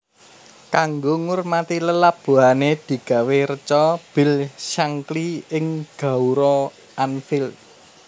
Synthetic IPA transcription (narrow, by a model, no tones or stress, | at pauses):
kaŋɡoŋʊrmat̪iləlab̥o̤ɦaned̪̥i̤ɡ̥ä̤weɾət͡ʃɔb̥ɪ̤lʃaŋkliɪŋɡ̥a̤uɾɔ | anfɪl